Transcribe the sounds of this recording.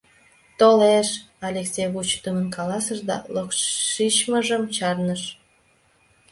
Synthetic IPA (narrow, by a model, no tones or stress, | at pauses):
t̪oleʃ | ɑlʲeksʲejβut͡ɕt̪əmənkɑlɑsəʒd̪ɑ̰lokːit͡ɕməʒəmt͡ɕɑrnəʃ